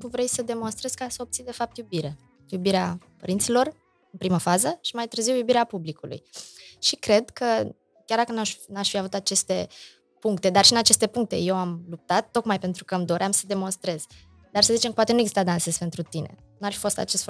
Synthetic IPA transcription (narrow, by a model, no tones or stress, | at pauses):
kuvɾe̞jsəd̪e̞mo̞nst̪ɾe̞z̥kasəob̚t̪sind̪e̞fap̚t̪jubiɾe | jubiɾeapəɾint̪silo̞r | ɨnpɾiməfazəʃi̥majt̪ɨɾziwjubiɾeapublikulṵjʃikɾe̞d̪kʰə | kʲjard̪akənanaʃfiavut̪at͡ʃe̞st̪e̞ | puŋk̚t̪e̞d̪arʃiɨnat͡ʃe̞st̪e̞puŋk̚t̪e̞̰je̞wamlup̚t̪at̪ːo̞kmajpe̞nt̪ɾukəmd̪o̞ɾʔamsəd̪e̞mo̞nst̪ɾe̞z̥ | d̪arsəzit͡ʃemkəpwat̪enueɡzist̪ad̪ansezpe̞nt̪ɾut̪inḛ | nuarfifost̪a̰t͡ʃe̞st̪